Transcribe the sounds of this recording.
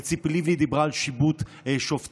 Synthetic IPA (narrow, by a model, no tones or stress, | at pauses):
t͡siplivlid̪ibʁaːlʃibut̪ː | ʃoft̪